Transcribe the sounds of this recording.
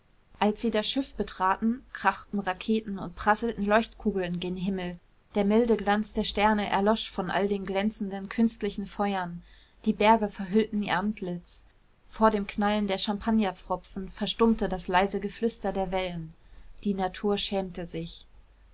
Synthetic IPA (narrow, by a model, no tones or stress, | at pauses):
ʔalsz̥iːdasʃɪfb̥ətʁ̥aːtn̩kʁ̥aχtn̩ʁakʰeːtn̩ʊ̰nt̚pʁ̥asl̩tn̩lɔʏçtkʰuːɡl̩ɪndeːnɦɪml̩ | d̥eːɐmɪldəɡlant͡sd̥eːɐʃtɛɐnəʔɛ̰ɐlɔʃfɔnʔa̰ldeːnɡlɛnt͡sn̩dənkʰʏnstlɪçn̩fɔʏɐn | d̥iːbɛɐɡəfɛɐɦʏltn̩ḭʔantʰlɪt͡s | foːɐɾeːmkʰnaləndeːɐʃampʰanjap͡fʁ̥ɔpp͡fn̩fɛɐʃtʊmtədaslaɪzəɡəflʏstɐdeːɐvɛlənd̥iːnatʰuːɐʃɛːmtəzɪç